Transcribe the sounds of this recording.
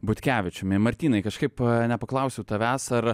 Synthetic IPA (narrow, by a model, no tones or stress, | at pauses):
bʊt̪ʲkʲæːʋʲɪt͡ʃʲʊmɪmɐɾʲt̪ʲiːnɐɪkɐʃkɐɪpnʲɛpɐklˠɐʊsʲɛʊt̪ɐʋʲæːsɐɾ